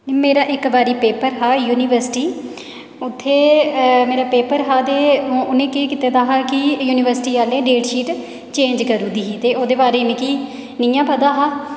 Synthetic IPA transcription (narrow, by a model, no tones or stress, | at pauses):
meːɾaːʔɪkbaːɾiːpeːpəɾɦaːjuːniːʋəɾsɪ̥ʈiː | ʊt̪ʰːeːmeːɾaːpeːpəɾɦaːd̪ẽːʊnẽːkeːkit̪eːd̪aːɦaːkɪjuːniːʋəɾsʈiːaːlẽːɖeːɖʃiːʈ | t͡ʃẽːɲd͡ʒkəɾũːd̪iːɦiːt̪eːoːd̪eːbaːɾeːnẽkiː | nĩːjãːpəd̪aːɦaː